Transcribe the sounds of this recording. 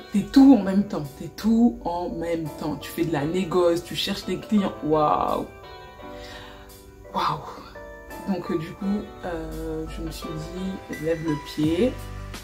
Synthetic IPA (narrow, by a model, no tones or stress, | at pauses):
t̪ɛt̪uɑ̃mɛmt̪ɑ̃t̪ɛt̪ʰuɑ̃mɛmt̪ɑ̃t̪y̥fɛd̪əlaneɡɔst̪yʃɛʁʃt̪eklijɑ̃wa̰w | waw | d̪ɔ̃kd̪ykuøʒəməsɥid̪ilɛvləpje